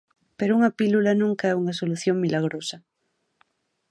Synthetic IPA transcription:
peɾouŋapilulanũŋkaɛuŋasoluθjoŋmilaɣ̞ɾosa

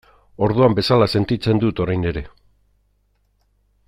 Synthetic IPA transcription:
o̞ɾð̞uambe̞salase̞nt̪it͡se̞nd̪ut̪o̞ɾajne̞ɾe̞

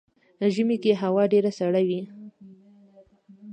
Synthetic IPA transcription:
ʒəmikeɦawɑɖeɾasaɽawi

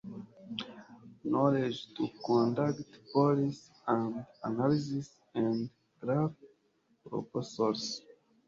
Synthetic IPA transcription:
nɔled͡ʒtukɔ̃ndaktpɔɾis | ãndanalisis | ãnd | ɡɾaf | pɾo̰posɔls

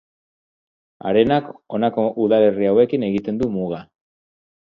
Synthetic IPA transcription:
a̰ɾe̞nako̞nako̞ʔuðale̞riawe̞kine̞ɣit̪e̞nd̪umuɣa

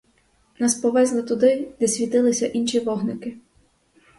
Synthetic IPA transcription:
nɑspɔʋɛzlˠɪt̪ʊd̪ɪd̪̥ɛsʲʋʲit̪ɪlˠɪsʲɐʔinʃiʋɔɦnɪkɪ

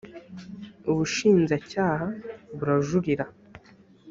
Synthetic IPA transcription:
uβuʃiːnzacaːhaβuɾaʒuɾiɾa

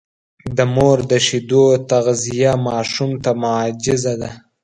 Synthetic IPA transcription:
d̪əmoɾd̪əʃid̪ot̪aɣzijamɑːʃumt̪amʊʕɑd͡ʒɪzad̪a

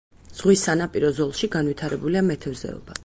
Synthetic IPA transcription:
z̥ʁwisːanapʼiɾɔzɔlˠʃiɡanvwit̪ʰaɾɛbuliamɛt̪ʰɛvzɛ̰ɔ̰b̥a

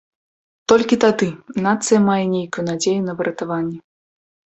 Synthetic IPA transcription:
t̪ɔlʲkʲit̪ad̪ɨnat̪sɨjɐmajɛnʲejkujunad͡zʲejunɐvɨɾʔɐt̪avanʲːɛ

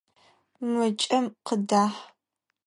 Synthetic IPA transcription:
mʷɨt͡ʃʼɐmqədaːħ

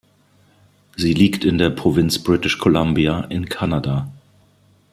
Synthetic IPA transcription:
ziːliːktɪndeːɐpʁ̥ovɪnt͡sb̥ʁɪtɪʃkʰolambiaʔɪnkʰanada

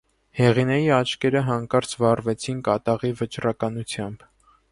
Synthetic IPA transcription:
hɛʁinɛjiɑt͡ʃʰkɛɾəɦɑŋkɑɾt͡sʰvɑrvɛt͡sʰinkɑt̪ɑʁivət͡ʃɾɑkɑnut͡sʰjɑmb

